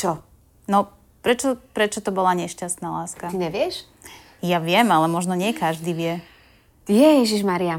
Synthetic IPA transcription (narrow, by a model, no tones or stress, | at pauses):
t͡ʃɔ | nɔ | pɾɛt͡ʃɔpɾɛt͡ʃɔt̪ɔbɔlaɲɛʃcast̪nalaːskaiɲɛʋɪɛʃ | jaʋɪɛmalɛmɔʒnɔɲɪɛkaʒd̪iʋɪɛ | ijɛjɛʒiʒmaɾia